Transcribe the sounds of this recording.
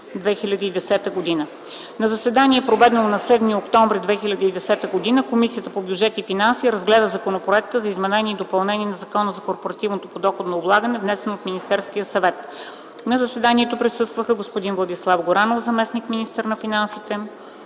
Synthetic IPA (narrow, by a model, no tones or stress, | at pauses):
d̪vɛxilʲɐd̪əid̪ɛsɛt̪əɡod̪inə | nɐzɐsvɛd̪aniɛpɾovɛd̪nlˠonɐsɛd̪miokt̪ɔɱvɾid̪vɛxilʲɐd̪əiːd̪ɛsɛt̪əɡod̪inəkomisijət̪əpobʲjud͡ʒɛt̪ifinansiɾəzɡlɛd̪əzɐkonopɾoɛk̚t̪əzɐizmɛnɛnʲiɛːd̪opɐlˠnɛniɛnɐzɐkɔnəzɐkoɾpoɾɐt̪ivnot̪opod̪ɔxod̪nɐoblˠaɡənɛvnɛsɛnoːt̪minist̪ɛɾskijəsɐvɛt̪ | nɐzɐsvɛd̪aniɛt̪opɾisɤst̪vəxəɡospod̪invlˠɐd̪islˠafɡoɾanofzɐmɛsnikminist̪əɾnɐfinansit̪ɛ